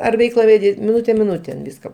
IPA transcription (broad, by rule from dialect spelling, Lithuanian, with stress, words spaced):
ɐr ˈʋʲɛɪklˠɐ ʋʲɛˈdʲɪ mʲɪˈnʊtʲɛ mʲɪˈnʊtʲeːn ˈʋʲɪskɐ